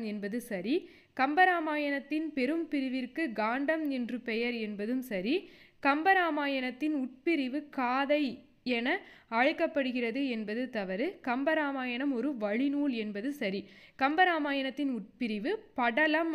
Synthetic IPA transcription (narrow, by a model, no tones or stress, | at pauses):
mɛnbɐðɯsɐɾi | kɐmbɐɾaːmaːjɐnɐt̪ːɪnpɛɾɯmpɪɾɪʋɪrkɯɡaːɳɖɐmnɪndrɯpɛjɐɾɛnbɐðɯmsɐɾikɐmbɐɾaːmaːjɐnɐt̪ːɪnʊʈ̚pɪɾɪʋɯkaːðɐɪ | ɛnɐaːɻɯkːɐpːɐɽɯɣɪrɐðɯɛnbɐðɯt̪ɐʋɐɾɯkɐmbɐɾaːmaːjɐnɐmɔɾɯʋɐɻɪnuːɭɛnbɐðɯsɐɾikɐmbɐɾaːmaːjɐnɐt̪ːɪnʊʈ̚pɪɾɪʋɯpɐɽɐlɐm